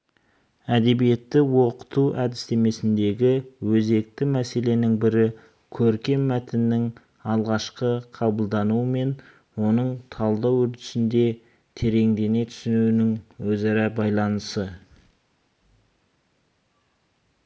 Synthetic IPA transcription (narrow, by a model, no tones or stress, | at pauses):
æd̪e̞bije̞t̪ːɪwoqə̥t̪uʔæd̪ɪst̪e̞me̞sɪnd̪e̞ɡʲɪwɵze̞k̚t̪ɪmæse̞le̞nɪŋbɪɾɪ | kʲʰɵɾkʲe̞mːæt̪ɪnːɪŋ | ɑlˠʁɑʃqəqʰɑbəlˠd̪ɑnuəme̞n | wo̞nəɴt̪ʰɑlˠd̪ɑwʏɾt̪ɪ̥sɪnd̪e̞ | t̪ʰe̞ɾe̞ŋd̪e̞ne̞t̪ʰʏ̥sɪnunɪŋwɵzɑɾɑbɑjlˠɑnəsə